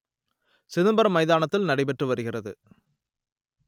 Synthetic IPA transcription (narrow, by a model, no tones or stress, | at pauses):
sɪðɯmbɐɾɐmɐɪðaːnɐt̪ːɪlnɐɽɪpɛʈrɯʋɐɾɯɣɪrɐðɯ̰